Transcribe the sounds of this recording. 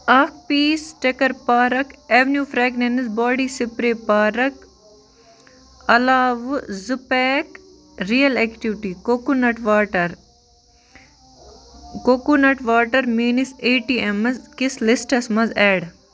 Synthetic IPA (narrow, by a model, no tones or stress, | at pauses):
akpiːsʈekɐɾpaːɾɐkeʋnjuːfɾeːɡnenisbaːɽiːsɪpɾeːpaːɾɐk | ɐlaːʋzupeːk | ɾijɐleːkʈiʋʈiːkokunɐʈʋaːʈɐɾ | kokunɐʈʋaːʈɐɾmiːniseːʈiːemɐzkɪslɪsʈɐsmɐzeːɽ